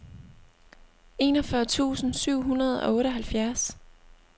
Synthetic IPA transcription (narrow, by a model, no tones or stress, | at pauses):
e̝̰nɒfɶɐt͡sʰṵːsn̩syʊ̰ɦunɐð̞ˠɒ̽ɔ̽ːɾəɒ̽ɦælfjæɐs